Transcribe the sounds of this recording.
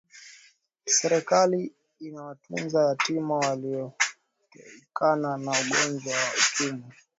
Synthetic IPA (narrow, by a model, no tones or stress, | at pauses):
sɛɾɛkali | inawatunzahatimawaliɔ | kananauɠɔnd͡ʒwawaut͡ʃumi